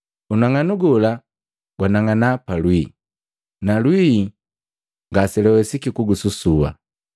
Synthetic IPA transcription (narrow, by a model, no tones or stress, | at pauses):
unaŋanuɡɔla | ɡ̥wanaŋanapalwi | nalwi | ŋɡasilɛwɛsikikuɡususuwa̰